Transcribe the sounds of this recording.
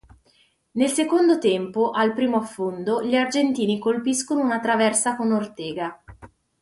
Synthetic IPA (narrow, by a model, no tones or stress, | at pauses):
nelsekond̪ot̪ɛmpoʔalpɾiːmoafːond̪oʎiard͡ʒent̪iːnikolpiskonounat̪ɾavɛrsakonort̪ɛːɡa